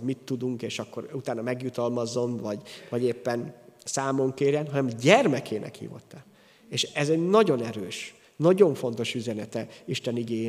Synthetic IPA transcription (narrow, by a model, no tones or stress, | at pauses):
mit̪ːud̪uŋkeːʃɒkːo̞ɾut̪aːnɒmɛɡjut̪ɒlmɒzo̞mvɒɟvɒɟeːpːɛnsaːmo̞ŋkeːɾjɛnɦɒnɛmɟɛrmɛkʰeːnʔɛ̰khḭːvo̞̰t̪ːɛl | eːʃɛzɛɟnɒɟo̞nɛɾøːʃ | nɒɟo̞ɱfo̞n̪t̪o̞ʃyzɛnɛt̪ɛiʃt̪ɛniɡeː